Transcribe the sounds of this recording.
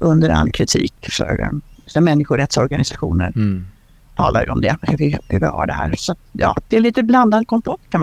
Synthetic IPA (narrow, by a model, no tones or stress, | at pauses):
ɵnd̪əɾa̰lːkʰɾɪt̪ʰiːkʂœ̰ɾɛ̰ɛmɛnːɪɧʊɾɛt̪sɔɾɡanɪsaɧuːnəɾ | t̪ʰɑːlʔaɾjəɔmd̪ɛhvɪhʉvɪ̰ha̰ɖɛhæ̰ːɾsɔat̪jɑːd̪̥ɛːliːt̪əbland̪ad̪̚kʰɔmfɔʈːkʰa